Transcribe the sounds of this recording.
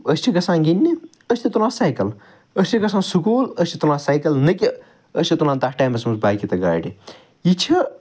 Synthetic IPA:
əsʲt͡ʃʰikɐsãːnɡinʲːi | əsʲt̪ʰit̪ulãːsaːjkɐl | əsʲt͡ʃʰikɐsãːnsukuːləsʲt͡ʃʰi̥t̪ulãːsaːjkɐlnɐki | əsʲt͡ʃʰit̪ulaːnt̪akʰʈaːjmɐsmɐsbaːkit̪ɐɡaːɖi | jit͡ʃʰi

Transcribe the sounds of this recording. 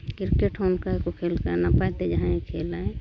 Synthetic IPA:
kɪɾkeʈʰonkaekokʰelkanapaet̪ed͡ʒəɦãikʰelaẽ

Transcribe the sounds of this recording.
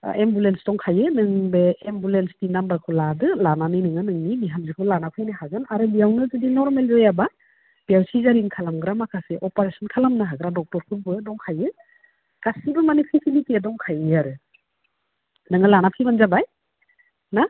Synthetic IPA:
ʔembulensdɔŋkʰajɯnɯŋbeembulenstinambakʰɯladɯlananɯjnɯŋɯnɯŋnibiɦamzikʰɯlanapʰɯjnɯɦazanaɾɯbijawnɯzɯdinɔɾmelzɔjaba | b̥awsizaɾinkʰalamɡɾamakʰaseʔɔpaɾesɔnkʰalamnɯɦaɡɯɾadɔk̚tɔɾkʰɯbɯdɔŋkʰajɯ | kasibɯmanipʰisilitiadɔŋkʰajaɾɯ | nɯŋɯlanapʰijmanzabaj | na

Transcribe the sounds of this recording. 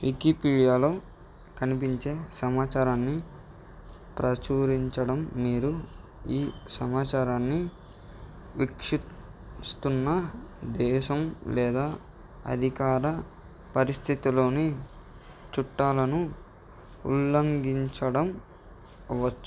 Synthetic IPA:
ʋikipiːɽijaːlo̞ː | kɐnip̬iɲt͡ʃe̞ːsɐmaːt͡ʃaːɾaːnːi | pɾɐt͡ʃuːɾiɲt͡ʃɐɽɐmːiːɾu | iːsɐmaːt͡ʃaːɾaːnːi | ʋikʂust̪unːɐd̪ɛːʃɐmlɛːd̪aː | ɐ̰d̪ʱikaːɾɐ | pɐɾist̪ʰit̪ilo̞ːni | t͡ʃuʈːaːlɐnu | ṵlːɐŋɡiɲt͡ʃɐɽɐm | ʋɐt͡ʃːu̥

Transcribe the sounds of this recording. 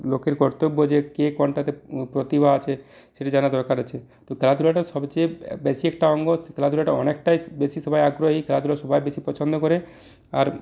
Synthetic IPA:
lokeɾkɔɾt̪obːod͡ʑekekɔɳʈat̪epɾot̪ibʱaat͡ɕʰe | ʃeʈid͡ʑanad̪ɔɾkʰaɾet͡ɕʰet̪okʰelad̪uɾaʈaʃɔbt͡ɕebesiɛkʈaɔŋɡoskʰelad̪uɾaʈaɔnek̚ʈajbeʃiʃɔbʱajaɡɾoɦikʰelad̪uɾaʃɔbʱajbeʃipɔt͡ɕʰond̪okɔɾe | aɾ

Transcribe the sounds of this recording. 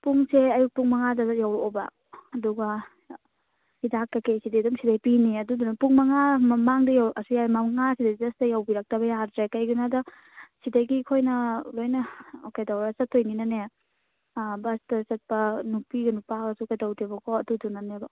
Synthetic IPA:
puŋseɐjuk̚puŋmɐŋadɐjawobɐ | ɐduɡɐ | idakːɐkesidejdɔmsidajpiniɐdudunɐpuŋmɐŋamɐmaŋdɐjawɐsujamɐŋasidɐzɐstɐjawbiɾɐk̚tɐbɐjadɾekɐjɡunadɐ | sidɐjɡikʰojnɐlojnɐokedawɾɐsɐtʰːojninɐne | bɐstɐsɐt̚pɐnupiɡɐnupaɡɐsukedɐwtebɐkʰɔɐdudunanebɐ

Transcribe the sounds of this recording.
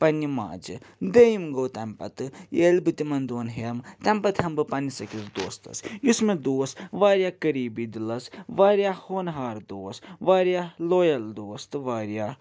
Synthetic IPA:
pɐnima̰ːd͡ʒɨd̪ejimɡoːt̪ɛmpɐ̰t̪ɨeːlbɨt̪imɐnd̪oːnɦemt̪ɛmpɐt̪hɐmbɨpɐnisɐkiɾd̪oːst̪ɐ̰sjusmed̪oːsʋaːɾjaːkɐɾiːbid̪ilɐsʋaːɾjaːhoːnɦaːɾd̪oːsʋaːɾjaːloːjɐld̪oːst̪ɨʋaːɾjaː

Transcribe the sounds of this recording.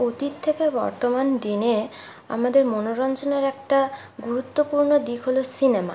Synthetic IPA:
ot̪it̪ʰːekebɔ̰ɾt̪omand̪ine | a̰mad̪eɾmonoɾɔnt͡ɕoneɾɛk̚ʈa | ɡuɾut̪ːopuɾnod̪ikʰɦolosinema̰

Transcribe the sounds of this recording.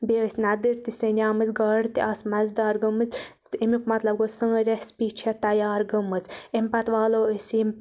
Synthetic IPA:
beɨsʲnɐd̪ɨɾt̪isɐnʲaːmɨzɡɐɽt̪iʔasmɐzd̪aːɾɡɨmɨt͡sʲsimikmɐt̪lɐbɡosɨŋɾʲespiːt͡ʃʰɐt̪ɐjaːɾɡɨmɨt͡sempɐt̪ʋaːloːisim

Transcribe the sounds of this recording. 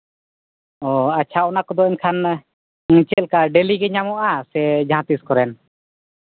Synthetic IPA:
ɔat͡ʃʰaɔnakɔd̪ɔɛɲkʰan | t͡ʃɛlkaɖeliɡɛɲamɔʔasɛd͡ʒaɦãt̪iskɔɾɛn

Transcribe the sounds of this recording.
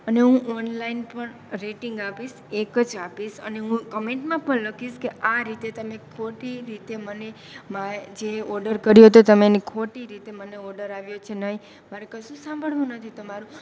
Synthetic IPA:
əneɦũʔɔnlainpəɳ | ɾeʈiŋɡapiʃ | ekəd͡ʒapiʃə̰neɦũkəmeɳʈmãpəɳləkʰiʃkeaɾit̪et̪əmekʰoʈiɾit̪eməne | mad͡ʒeɔɾɖəɾkəɾjoɦət̪ot̪əmenikʰoʈiɾit̪eməneɔɾɖəɾaʋjot͡ʃʰenəɦi | maɾekəsũsãmbʱəɭʋũnət̪ʰit̪omaɾũ

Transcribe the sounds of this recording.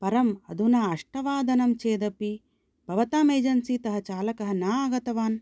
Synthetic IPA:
pɐɾɐmɐ̰d̪ʱunaːɐʂʈɐʋaːd̪ʱɐnɐmt͡ʃeːd̪ɐpi | bʱɐʋɐt̪aːmeːd͡ʒɐnsit̪ɐɦɐt͡ʃaːlɐkɐɦɐnaːɐɡɐt̪ɐʋaːn

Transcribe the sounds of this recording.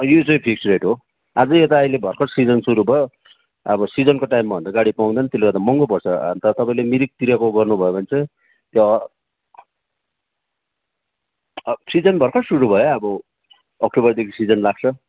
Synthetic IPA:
ʌjot͡sʌj̃pʰik̚suɾeʈɦo | ad͡zʌet̪aʌilebʱʌrkʰʌʈsid͡zʌnsuɾubʱʌjo | ʌbʌsid͡zʌnkoʈaimːabʌnd̪aɡaɽipaw̃d̪ʌnʌt̪elːeɡat̪amʌŋɡopʌrt͡sʰʌ̰nt̪ʌt̪ʌpaĩlemiɾik̚t̪iɾakoɡʌrnubʱʌjebʌnt͡sʌ | t̪jo | sid͡zʌnbʱʌrkʰʌʈsuɾubʱʌjoʌbʌː | k̚ʈobʌrd̪ekʰisid͡zʌnlaɡ̚t͡sʰʌ

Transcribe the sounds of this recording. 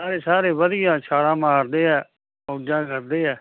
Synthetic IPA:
saːɾeːsaːɾeːʋəd̪ɪjãːt͡ʃʰaːɽãːmaːɾd̪eːɛː | oːd͡ʒãːkəɾd̪eːɛː

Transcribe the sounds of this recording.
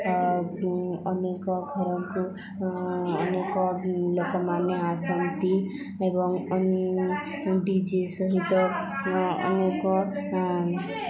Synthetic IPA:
ʌnekɔɡʱʌɾɔ̃ku | nekɔlokɔmaneasənt̪i | ebɔŋ | ɖid͡ʒesʌɦit̪ɔ | ʌ̰nekɔ

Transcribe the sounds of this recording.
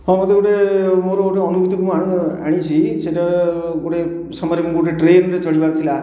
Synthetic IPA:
ɦɔ̃mɔt̪eɡoʈemoɾooʈeɔnubʱut̪ibʱumaɽ̃a̰ɽ̃ĩt͡ʃʰiʃeʈaɡoʈe | sɔmɔɾemuɡoʈeʈɾenɾet͡ʃɔɽibaɾt̪ʰila

